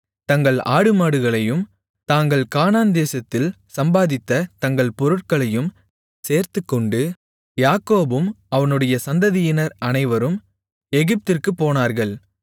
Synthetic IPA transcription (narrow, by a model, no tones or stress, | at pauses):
t̪ɐŋɡɐɭa̰ːɽɯmaːɽɯɣɐɭɐjɯm | t̪aːŋɡɐɭkaːnaːnd̪eːsɐt̪ːɪl | sɐmbaːðɪt̪ːɐt̪ɐŋɡɐɭpɔɾɯʈ̚kɐɭɐjɯm | seːɾt̪ɯkːɔɳɖɯ | jaːkoːbɯmɐʋɐnɯɽɐjɐsɐnd̪ɐðɪjɪnɐɾʔɐnɐɪʋɐɾɯm | ɛɣɪp̚t̪ɪrkɯpːoːnaːɾɣɐɭ